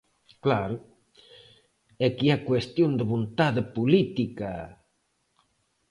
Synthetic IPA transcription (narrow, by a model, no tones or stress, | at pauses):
klaɾʊ | ɛkiɛakwest̪jond̪eβont̪aðepulit̪ika